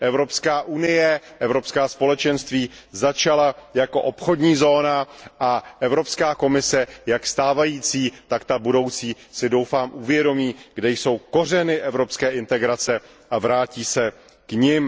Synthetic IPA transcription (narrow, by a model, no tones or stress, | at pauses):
ʔɛvɾo̞pskaːʔunɪjɛʔɛvɾopskaːspo̞lɛt͡ʃɛnst̪viːzat͡ʃalajako̞̰ʔo̞pxo̞dɲiːzo̞ːnaʔaʔɛvɾo̞pskaːko̞mɪsɛjakst̪aːvajiːt͡siːt̪akt̪abudo̞wt͡siː | sɪdo̞wfaːmʔuvjɛdo̞miːɡdɛjso̞wko̞r̝ɛnɪʔɛvɾo̞pskɛːʔɪnt̪ɛɡɾat͡sɛ | ʔavɾaːciːsɛ | kɲɪm